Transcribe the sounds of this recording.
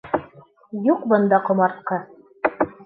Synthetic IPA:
juqbɤ̆nd̪ɑqŏmɑɾt̪̚qɤ

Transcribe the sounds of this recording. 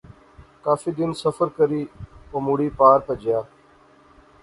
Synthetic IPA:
kaːfiːd̪ɪnsəfəɾkəɾiːoːmʊɽiːpaːɾpəd͡ʒɪjaː

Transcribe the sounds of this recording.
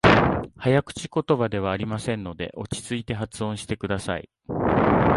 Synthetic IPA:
hajakɯ̟̥t͡ɕi̥ko̞t̪o̞bad̪e̞β̞aːɾʲimasẽ̞nːo̞d̪e̞̰ʔo̞t͡ɕi̥t͡sɨit̪e̞ɦat͡sɨõ̞ɰ̃ɕi̥t̪e̞kɯ̟d̪asa̰ḭ

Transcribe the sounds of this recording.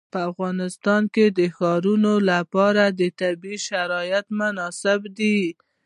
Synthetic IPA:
pəafɣɑnɪst̪ɑnked̪əxɑɾunolapɑɾad̪ət̪abiʃaɾɑjat̪mʊnɑsɪbd̪i

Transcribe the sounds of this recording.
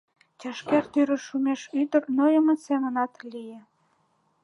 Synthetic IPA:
tʲɑʃkert̪yɾə̆ʃumʲeʃyd̪ə̆rnojəmə̆semənɑt̪lʲijĕ

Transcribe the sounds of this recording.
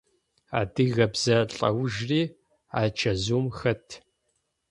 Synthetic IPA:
aːdɨɣɐbz̥ɐɬʼɐ̰wʒriː | aːt͡ʃʰɐzuːmxɐtʰ

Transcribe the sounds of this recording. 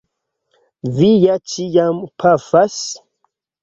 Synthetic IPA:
vijat͡ʃijampʰafas

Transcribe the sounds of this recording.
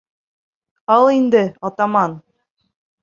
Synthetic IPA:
ɑlˠind̪ɘɒt̪ɑmɑn

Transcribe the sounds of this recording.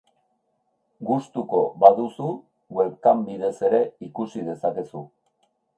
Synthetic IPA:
ɡust̪uko̞baðusu | ɡwe̞lkambið̞e̞se̞ɾe̞ikusið̞e̞sake̞su

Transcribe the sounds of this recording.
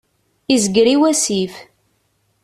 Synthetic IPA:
izəɡɾiwæsif

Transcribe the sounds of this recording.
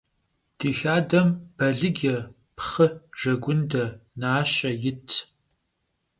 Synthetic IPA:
d̥iːxaːdɐmb̥ɐɮɨɡʲɛ | pχɨʒ̥ɐɡʷʊndɐnaːɕɐjɪtʰ

